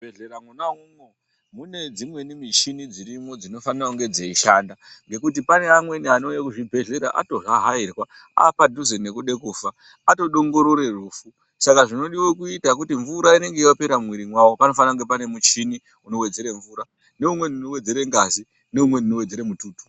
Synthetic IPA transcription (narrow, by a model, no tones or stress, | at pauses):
beɮeɾamunaumo | mune̞d͡zimwe̞nimit͡ʃinid͡ziɾimo̞d͡zino̞fanirauŋɡe̞d͡zaiʃaːndaŋɡe̞kut̬ipane̞amwe̞nianojakuʐibʱe̞ɮe̞ɾaʔa̰to̞ɦaɦairwa | a̰padʱuzenekuɗe̞kuːfaː | to̞ɗo̞ŋɡo̞ɾoɾe̞ruːfu | sakaʐino̞ɗiwo̞kuitak̬utiɱvuɾaine̞ŋɡeiape̞ɾamwiɾimwawo̞pano̞fanaŋɡe̞pane̞mut͡ʃini | uno̞we̞d͡ze̞ɾeɱvuːɾa | ne̞umwe̞nunowed͡ze̞ɾe̞ŋɡazi | ne̞umwe̞nunowe̞d͡zeɾemutuːtu̥